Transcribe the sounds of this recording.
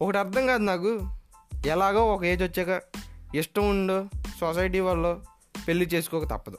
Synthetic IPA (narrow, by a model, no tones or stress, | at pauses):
ɔkɐʈiɐɾt̪ʰɐŋɡaːd̪unaːk̬u | ɛlaːɡaːɔkɐe̞ːd͡ʒɐt͡ʃːɛːkɐiʂʈɐmuɳɖoːsos̬ɐjʈiːʋɐlːoː | pe̞lːit͡ʃe̞ːsu̥kɔːkɐt̪ɐ̰pːɐd̪u